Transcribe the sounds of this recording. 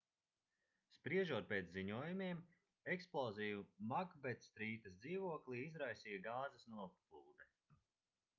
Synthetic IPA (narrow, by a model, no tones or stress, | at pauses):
spɾiɛʒuɔt̪̚peːt̪zziɲuɔjumiɛm | ɛksplˠɔzijumaɡbɛt̪sst̪ɾiːt̪ɐsd̪ziːvuɔkliizɾajsiːjaɡaːzɐsnuɔpplˠuːd̪ɛ